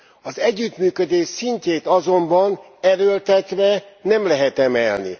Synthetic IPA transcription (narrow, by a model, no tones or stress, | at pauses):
ɒzɛɟːyt̪myːkød̪eːʃsiɲceːt̪ɒzo̞mbɒn | ɛɾølt̪ɛt̪ʋɛnɛmlɛɦɛt̪ɛmɛlnḭ